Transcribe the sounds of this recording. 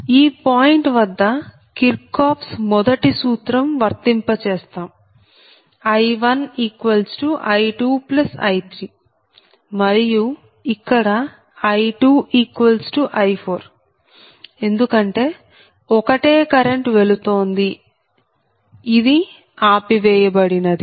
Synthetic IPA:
iːpaːjiɳʈʋɐd̪ːɐ | kilpkaːpsmɔd̪ɐʈisuːt̪ɾɐmʋɐɾt̪impɐt͡ʃeːst̪aːm | ɐjʋɐniːkʋɐlsʈuʔɐjʈuːplɐsɐ̰jt̪ʰɾiː | mɐɾiju | ikːɐɽɐ | ɐjʈuːʔiːkʋɐlsʈuʔɐjpʰo̞ːɾ | e̞nd̪ukɐɳʈe̞ː | ɔkɐʈe̞ːkɐɾe̞ɳʈʋe̞lut̪o̞ːnd̪i | id̪i | aːpiʋɛːjɐbɐɽinɐd̪i

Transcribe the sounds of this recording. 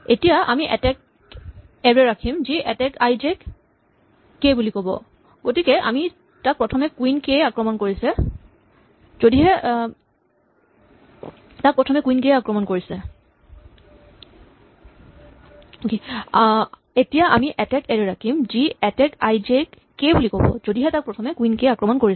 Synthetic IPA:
etijaʔamiʔɛ̰tɛk̚ | ɛɹɛɹakʰimziʔɛtɛkajzek | ebulikobɔ̰ | ɡ̥otikɛʔa̰mi | tak̚pɹɔtʰɔmɛkwinkejakɹɔmɔnkoɹisɛ | zodiɦɛ | tak̚pɹɔtʰɔmɛkuinkejakɹɔmɔnkoɹisɛ | oke | etijaʔa̰miʔɛtɛkɛɹɛɹakʰimziɛtɛkajzek | kebulikobɔ̰zodiɦɛtak̚pɹɔtʰɔmɛkwinkeakɹɔmɔnkoɹis

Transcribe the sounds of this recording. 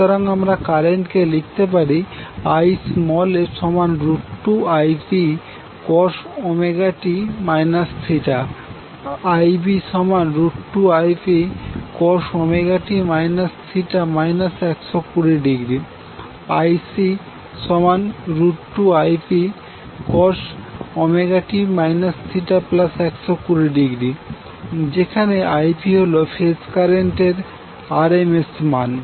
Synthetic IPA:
t̪ɔɾaŋamɾakaɾeɳʈkelik̚ʰt̪ep̬aɾiajsmɔleʃɔmanɾuʈːuajpi | kɔʃɔmeɡaʈimajnassʰiʈa | ajbiʃɔmanɾuʈːuajpikɔʃɔmeɡaʈimajnassʰiʈamajnasɛksokuɾiɖiɡɾi | ajsi | ʃɔmanɾuʈʈuajpi | kɔɾʃɔmeɡaʈimajnassiʈaplasɛksokuɾiɖiɡɾi | d͡ʑekʰaneajpiɦolofʰeskaɾeɳʈeɾ | aɾemesman

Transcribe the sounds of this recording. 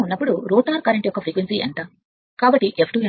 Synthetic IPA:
unːɐpːuɽuɾoːʈaːɾkɐɾɐɳʈijɔkːɐpɾikʋensiḛɳʈaː | kaːbɐʈːiʔepʰʈuːe

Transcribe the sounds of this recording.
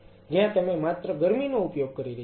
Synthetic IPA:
d͡ʒjãt̪əmẽmat̪ɾəɡəɾminoupjoɡ̚kəɾiɾə

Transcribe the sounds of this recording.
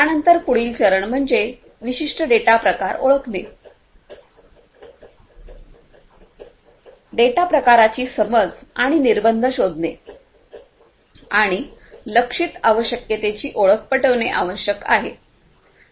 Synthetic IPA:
t̪janənt̪əɾpuɽ̤iːlt͡ɕəɾəɳm̤əɳd͡ze | ʋiɕiʂʈəɖeʈapɾəkaɾo̰ɭəkne | ɖeʈapɾəkaɾat͡ɕiːsəməd͡zaɽ̃iniɾbənd̪ʱəɕod̪ne | aɽ̃iləkʂit̪aʋəɕəkjet̪et͡ɕiːʔoɭək̚pəʈəʋneʔa̰ʋəɕjəka̰ɦḛ

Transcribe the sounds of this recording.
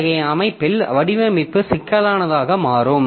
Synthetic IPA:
ɣɐɪɐmɐɪpːɪlʋɐɽɪʋɐmɪpːɯsɪkːɐlaːnɐðaːɣɐmaːɾɯm

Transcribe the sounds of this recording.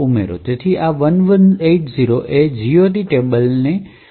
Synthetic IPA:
umḛɾo̰t̪et̪ʰiʔaʋənʋəneʈziɾoʔed͡ʒiot̬iʈebəlne

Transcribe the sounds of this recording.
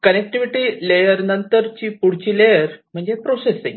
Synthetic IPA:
kənek̚ʈiʋiʈiːlejəɾnənt̪əɾt͡ɕiːpuɽ̤t͡ɕiːlejəɾm̤əɳd͡zepɾosesĩŋ

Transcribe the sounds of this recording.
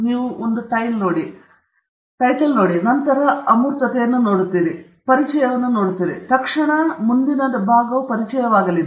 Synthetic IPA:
niːʋuond̪uʈɐjlnoːɽi | ʈɐjʈːɐlnoːɽinɐnt̪ɐɾɐɐmuːɾt̪ɐt̪eːnːɨnoːɽut̪ːiɾi | pɐɾit͡ʃːɐjɐʋenːunoːɽut̪ːiɾḭt̪ɐkʂɐɳɐmund̪inɐd̪ɐbʱaːɡɐʋpɐɾit͡ʃɐjɐʋaːɡɐlin

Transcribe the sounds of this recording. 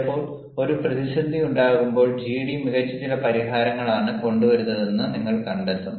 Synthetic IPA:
pːo̞ːɭ | o̞ɾuprɐðiɕɐd̪ːiuɳɖaːɣumbo̞ːɭd͡ʑiːɽimiɣɐt͡ɕːɐt̪ːilɐpɐɾiɦaːɾɐŋːɐɭaːɳɨko̞ɳɖuʋɐɾunːɐðe̞nːɨniŋːɐɭkɐɳɖet̪ːɐm

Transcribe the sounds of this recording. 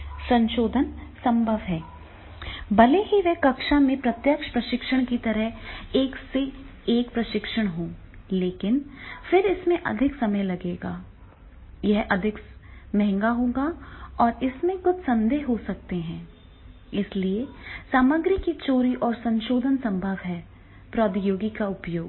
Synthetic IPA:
sɐ̃nʃoːd̪ʱənsɐ̃mbʱəʋɦɛː | bɐleɦiʋɛɦkɐkʃamẽpɾɐt̪jəkʃpɾɐʃɪkʃəɽ̃kit̪ɐɾəɦeːkse | eːkpɾɐʃɪkʃəɽ̃ɦõː | leːkɪnfɪɾɪsmẽʔɐ̰d̪ʱɪksɐməjlɐɡeːɡaː | jɛɦʔɐd̪ʱɪkmɛɦɛ̃ŋɡaɦoːɡaɔːɾɪsmẽkʊt͡ʃʰsɐ̃nd̪eːɦɦosɐk̚t̪eɦɛ̃ː | ɪsliesaːməɡɾɪkit͡ʃoːɾiʔɔːɾsɐ̃nʃoːd̪ʱənsɐ̃mbʱəʋɦɛː | pɾɔːd̪joːɡikaʊpjoːɡ

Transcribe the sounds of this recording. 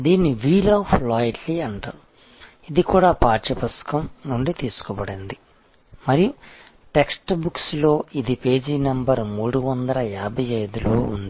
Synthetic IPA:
d̪iːnːiʋiːlɐːpʰlaːjʈliɐɳʈaː | id̪ikuːɽaːpaːt͡ʃɐpɐsɐ̥kɐmnuɳɖit̪iːsu̥kɔbɐɽind̪i | mɐɾiju | ʈeksʈbukslo̞ːid̪ipe̞ːd͡ʒiːnɐmbɐɾmuːɽuʋɐnd̪ɐlɐjaːbʱɐjɐjd̪uluːṵnd̪i

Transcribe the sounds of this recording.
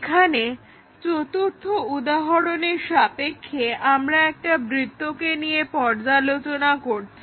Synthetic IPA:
kʰane | t͡ɕot̪oɾt̪ʰːoud̪aɦoɾoneɾʃapekʰːeʔamɾaɛk̚ʈabɾit̪ːokenijepɔɾd͡ʑalot͡ɕonakoɾt͡ɕʰi

